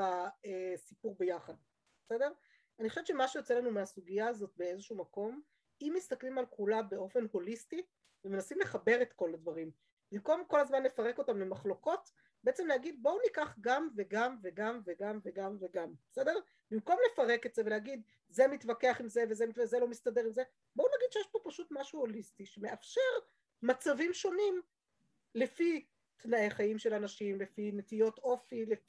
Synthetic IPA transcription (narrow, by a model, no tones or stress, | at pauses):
aesipuʁbejaχad̪ | besede̞ʁ | aniχoʃvtt͡ʃʃemaʃejot͡selanumeasuɡijaːzo̞t̚be̞ezeʃuːmako̞m | imːist̪aklimalkulabe̞o̞fe̞nho̞listi | vemenasimle̞χabe̞ʁe̞t̪ko̞ladvaʁim | b̥imko̞mko̞lazmanlefaʁe̞ko̞tamlemaχlo̞ko̞t | b̥eet͡se̞mlehaɡid̪̚bo̞wnikaχɡamveɡamveɡamveɡamveɡamveɡambesede̞ʁ | b̥imko̞mle̞faʁe̞ketzeveleaɡid̪ | ze̞mitvake̞aχimzevezemitvezelo̞mistade̞ʁimze̞ | bounaɡid̪ʃejeʃpo̞paʃutmaʃuolistiʃeme̞ʔafʃe̞ʁ | mat͡savimʃo̞nim | lefi | t̪naʔe̞χajimʃe̞lanaʃimlefinetijo̞to̞file